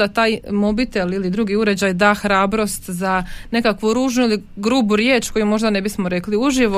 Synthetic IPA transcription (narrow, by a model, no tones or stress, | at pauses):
at̪aːjmo̞bit̪e̞lilid̪ɾuːɡiuɾe̞d͡ʑajd̪aːxɾaːbɾo̞st̪zane̞kakʋuɾuːʒnuiliɡɾuːbuɾjeːt͡ʃkojumo̞ʒd̪ane̞bismoɾe̞kliuʒiʋo